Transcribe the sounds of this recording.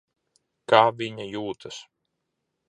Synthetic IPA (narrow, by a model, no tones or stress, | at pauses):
kaːvʲiɲajuːt̪ʰɐs